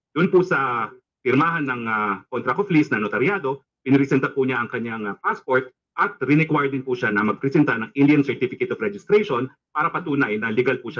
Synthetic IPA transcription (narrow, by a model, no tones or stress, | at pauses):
d̪̥ʊnpʊsɐ | pɪɾmaːɦɐnːɐŋɐkont̪ɾɐkoflisnɐʔnot̪ɐɾjaːd̪o̞ | pɪnɪɾɪsɛnt̪ɐpuɲaʔɐŋkɐɲaŋpaspoɹt̪̚ | ʔɐt̪̚ɾɪnɛkwaɹd̪ɪnpuʃanɐmɐɡ̚pɾɛsɛnt̪ɐnɐŋʔind̪jɐnsɛɹt̪ifɪkɛt̪ofɾɛd͡ʒɪst̪ɾɛjʃon | paːɾɐpɐt̪uːnɐjnɐlɪɡalpuʃa